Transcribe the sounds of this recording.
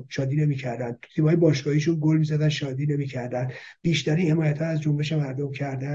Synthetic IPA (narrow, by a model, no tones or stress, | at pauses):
ʃɒːd̪iːne̞miːcʰæɾd̪ænd̪t̪ʰiːmhɒːjebɒːʃɡ̥ɒːhiʃunɡolmiːzæd̪ænʃɒːd̪iːne̞miːcʰæɾd̪ænd̪b̥iːʃt̪æɾiːnhe̞mɒːjæt̪hɒːæzd͡ʒombe̞ʃemæɾd̪omcʰæɾd̪æ